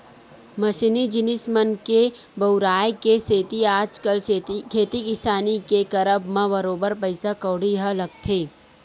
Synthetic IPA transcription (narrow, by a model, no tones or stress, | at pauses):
mɐʃinid͡ʒɪnɪsmənkebɐʊɾaːjkeseːt̪iaːd͡ʒkəlkʰeːt̪ikɪsaːnikekɐɾəbmãbɐɾoːbəɾpəɪsakɐːɽiɦəlɐɡt̪ʰeː